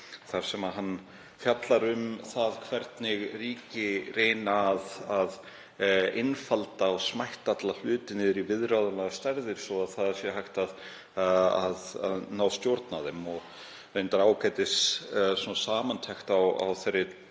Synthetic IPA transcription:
θaɾ̥sɛmaɦanː | fjat̪laɾʏmθaðkʰvɛɾt̪nɪɣriːcɪreːjnaːðað | ɪnfalt̪aɔsmajht̪at̪lal̥ʏːt̪ɪnɪðɾivɪðɾawðalaɣast̪ɛɾðɪɾ̥sɔaðθaðasjɛhajht̪að | aða̰ðnaːwst̪jowɾt̪naðɛmːɔɣ | vejnt̪aɾawkajt̪ɪssɔnasaːmant̪ʰɛxt̪awa̰wθerːɪ

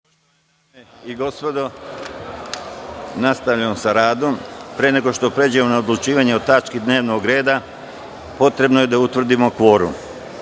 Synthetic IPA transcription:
ene | iɡo̞spo̞d̪o̞ | nast̪aʋʎamsaɾaːd̪ompɾeneɡo̞ʃt̪o̞pɾe̞d͡ʑamonaod̪lut͡ʃiːʋaɲeo̞t̪at͡ʃkid̪ne̞ːʋnoɡɾe̞ːd̪a | po̞t̪ɾe̞bnoje̞d̪aut̪ʋr̩d̪imo̞kʋo̞ːɾṵm

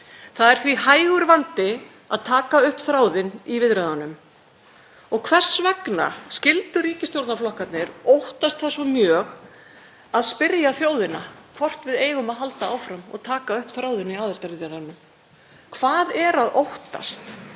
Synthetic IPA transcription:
θaðɛɾ̥θvihaːjɣʏɾvant̪ɪ | aðt̪ʰaːkaʏhpθɾaːwðɪnivɪðɾɛðanʏm | ɔɣkʰvɛr̥svɛkna̰scɪlt̪ʏriːcɪst̪jowɾt̪naflɔhkat̪nɪɾowht̪ast̪θɛsːɔmjœːɣ | aðspɪɾjaθjoːwðɪnakʰvɔr̥t̪vɪðeːjɣʏmaðɦalt̪aaːwfɾamɔ̰ɣt̪ʰaːkaʏhpθɾaːwðɪniaːðɛlt̪aɾvɪðɾɛðanʏm | kʰv̥aːðɛɾaðowht̪a̰st̪

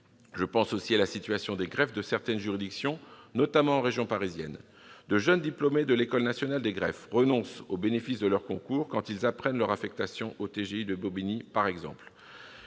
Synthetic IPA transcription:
ʒəpɑ̃sosialasit̪ɥasjɔ̃d̪eɡʁɛfd̪əsɛʁt̪ɛnʒyʁid̪iksjɔ̃nɔt̪amɑ̃ːʁeʒjɔ̃paʁizjɛ̰n | d̪əʒənd̪iplɔmed̪əlekɔlnasjɔnald̪eɡʁɛfʁənɔ̃sobenefisd̪əlœʁkɔ̃kuʁkɑ̃t̪ilzapχɛnlœʁafɛk̚t̪asjɔ̃ʔot̪eʒeid̪əbobinipaʁɛɡzɑ̰̃pl

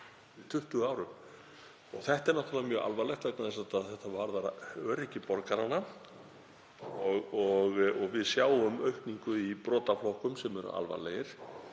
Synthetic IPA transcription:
ɪt̪ʰʏht̪ʏɣaːwɾʏm | ɔɣθɛht̪ɛɾnɔht̪ʰaamjœːɣʔa̰lvaɾlɛxt̪vɛknaðɛnsat̪aðθɛht̪avaɾðaɾœːɾɪcɪpɔɾkaɾanːa | ɔɣɔɣɔɣvɪðsjaːwʏmœɥhpniŋkʏipɾɔːt̪aflowhkʏmsɛmɛɾʏ̰a̰lva̰lɛjɪɾ̥

